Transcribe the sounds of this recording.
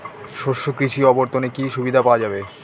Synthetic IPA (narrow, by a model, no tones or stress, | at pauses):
ʃoʃokɾiʃiɔboɾt̪onekiʃubid̪ʱapaoad͡ʑabe